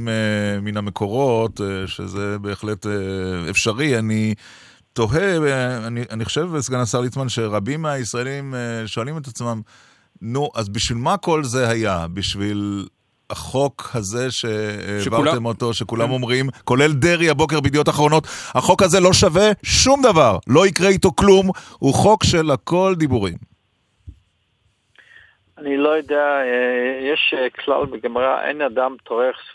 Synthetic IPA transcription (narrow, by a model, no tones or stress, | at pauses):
meminame̞kʰo̞ʁo̞tʃḛze̞be̞ːχle̞tḛfʃaʁiani | to̞ɦe̞aniʔaniχoʃe̞vbesɡanasaʁlit͡smanʃe̞ʁabimːeaisʁaelimeʃo̞alime̞tat͡smam | nuʔazbiʃvilmako̞lze̞hajabiʃvil | haχo̞khaze̞ʃe̞vat̪emo̞to̞ʃekulamomʁimko̞le̞ld̪eʁiabo̞k̬eʁbid̪ijo̞taχʁo̞no̞thaχo̞khaze̞lo̞ʃave̞ʃumd̪avaʁlo̞ikʁeit̪o̞klumhuχo̞kʃe̞lako̞ld̪ibuʁim | anilojod̪eajeʃkʰla̰lbeɡemʁa̰ʔḛnad̪amtʰoʁeχ